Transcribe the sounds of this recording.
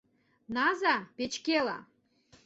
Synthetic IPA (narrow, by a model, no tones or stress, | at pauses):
nɑzɑpet͡ɕkelɑ̰